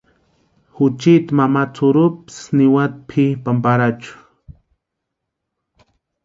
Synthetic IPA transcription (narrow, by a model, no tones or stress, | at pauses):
hʊt͡ʃɪt̪amamat͡sʰʊɾʊpɪ̥snɪwat̪pʰɪpampaɾat͡ʃʊ̥